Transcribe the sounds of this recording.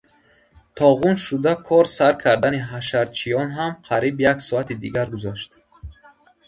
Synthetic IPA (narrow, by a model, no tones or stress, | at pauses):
t̪ʰɔʁunʃud̪akʰɔɾsaɾkʰaɾd̪aniɦaʃaɾt͡ʃʰijɔnɦamqʰaɾibjaksɔat̪ʰid̪iɡaɾɡuzaʃt̪